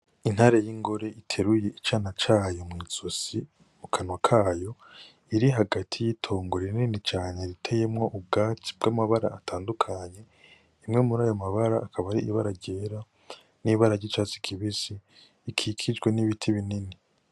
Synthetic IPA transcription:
in̥haɾe̞jiŋɡo̞ɾe̞itʰe̞ɾuje̞ʔit͡ʃaːnat͡ʃaːjo̞mŋit͡susi | mukʰanwakʰaːjo̞ | iɾiɦaɡatʰijitʰo̞ːŋɡoɾiɾninit͡ʃaːɲeɾitʰejemŋo̞ʔub̚ɡaːtʰi̥b̚ɡ̥amaβaɾa̰ːtʰaːndukʰaɲe̞ | imŋe̞muɾaːjo̞maβaɾaːkʰaβaɾiʔiβaɾaɟeːɾa | niβaɾaɟit͡ʃat͡si̥kʰiβisiː | kʰikʰid͡ʒɡwe̞niβitʰiβinini

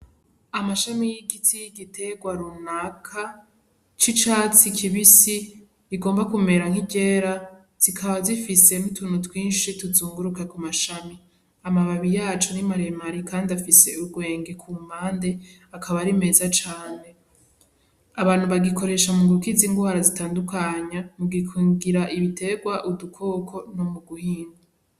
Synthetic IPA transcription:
amaʃamijiɡitʰijiɡitʰe̞ɡwaɾunakʰa | t͡ʃit͡ʃaːt͡sikʰiβisi | iɡo̞ːmbakume̞ɾaŋ̥hiɟe̞ɾa | z̥ikʰaβazifise̞nutʰuːn̥utwiːnʃituzuːŋɡuɾukakumaʃami | amaβaβijaːt͡ʃonimaɾe̞maɾikʰaːndiafise̞uɡwe̞ːŋɡekʰumaːnde̞akʰaβaɾime̞ːzat͡ʃaːne̞ | aβaːn̥huβaɡiko̞ɾe̞ʃamuŋɡuɾukiziːŋɡwaːɾazitaːndukaɲamuɡikʰuŋɡiɾaʔiβitʰe̞ɡwaʔudukʰo̞ːkʰo̞nomuɡuhiːŋɡa

